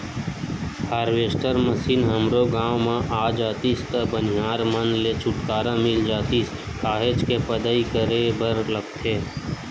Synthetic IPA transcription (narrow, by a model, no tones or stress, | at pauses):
haːɾʋeːsʈəɾməsiːnɦəmɾoɡãːʋmãʔaːd͡ʒaːt̪ist̪əbənɪjaːɾmənlet͡ʃʰʊʈkaːɾãmɪld͡ʒaːt̪is | kʰaːɦet͡ʃkepəd̪əikəɾebəɾləɡt̪ʰeː